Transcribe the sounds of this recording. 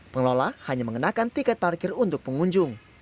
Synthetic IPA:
pəŋlolahaɲaməŋənakant̪ikat̪̚parkɪrunt̪ʊk̚pəŋuɲd͡ʒʊŋ

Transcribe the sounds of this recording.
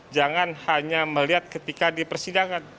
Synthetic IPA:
d͡ʒaŋanhaɲaməliɦat̪̚kət̪ikadipərsidaŋan

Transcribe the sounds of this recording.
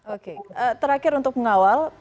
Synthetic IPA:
okeʔət̪əɾakɪɾunt̪ʊk̚məŋawal

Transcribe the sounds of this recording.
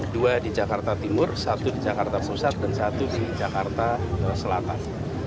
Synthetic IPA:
duadid͡ʒakart̪at̪imʊrsat̪udid͡ʒakart̪apusat̪̚dansat̪udid͡ʒakart̪asəlat̪an

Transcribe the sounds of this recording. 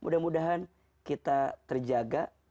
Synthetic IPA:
mudahmudaɦan | kit̪at̪ərd͡ʒaɡa

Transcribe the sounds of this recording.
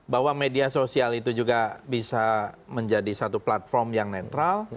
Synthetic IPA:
baɦwamediasosialit̪ud͡ʒuɡabisaməɲd͡ʒadisat̪uplat̪̚fɔrmjaŋnet̪ɾal

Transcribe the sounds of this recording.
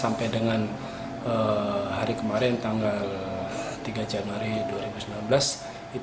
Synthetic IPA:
sampajdəŋan | əhaɾikəmaɾɛnt̪aŋɡalt̪iɡad͡ʒanuaɾiduaɾibusəmlanbəlas | i

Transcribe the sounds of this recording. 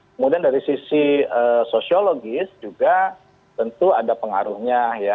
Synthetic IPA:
kəmudiandaɾisisiəːsosioloɡɪsd͡ʒuɡa | t̪ənt̪uadapəŋa̰ɾuhɲaja

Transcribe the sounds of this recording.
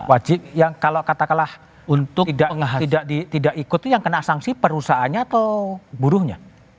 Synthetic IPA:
wad͡ʒɪp̚jaŋkalokat̪akalah | unt̪ʊidaaɦidaʔdit̪idaʔikʊt̪ːujaŋkənaksaŋsipəɾusaɦaɲaːt̪awbuɾʊhɲa̰

